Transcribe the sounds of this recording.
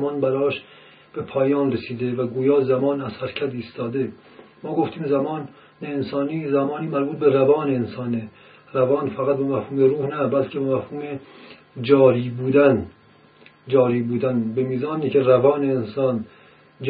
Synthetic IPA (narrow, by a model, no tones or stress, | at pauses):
mɒːnbæɾɒːʃ | b̥epʰɒːjɒːnresiːd̪e̞væɡuːjɒːzæmɒːnæz̥hæɾcʰæt̪iːst̪ɒːd̪e̞ | mɒːɡo̞ft̪iːmzæmɒːn | neːnsɒːniːzæmɒːniːmæɾbuːt̪̚be̞ɾævɒːneːnsɒːne | ɾævɒːnfæɣæt̪̚bemæfhuːmeɾuːhnæbælcʰebemæfhuːme | d͡ʒɒːɾiːbuːd̪æn | d͡ʒɒːɾiːbuːd̪ænbemiːzɒːniːkeɾævɒːneːnsɒːn | d͡ʒ